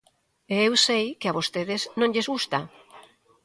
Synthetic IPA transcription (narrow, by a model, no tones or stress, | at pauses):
eewsejkɪaβost̪eðeznõŋʎezɣust̪a